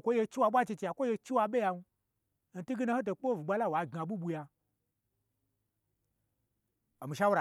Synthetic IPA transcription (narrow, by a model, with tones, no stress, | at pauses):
kʷo˦je˧t͡ʃi˦wa˧ɓʷa˦t͡ʃi˧t͡ʃi˧ja˨kʷo˦je˧t͡ʃi˦wa˧ɓe˦ja˧nu˧ | n̩˨˦ti˦ɡi˦na˧˦ho˦t̬o˨k͡po˦˨vu˨ɡ͡ba˧˦la˦˨wa˨ɡa˨ɓu˦ɓu˧ja˧ | o˨mi˨ʃa˦wɾa˨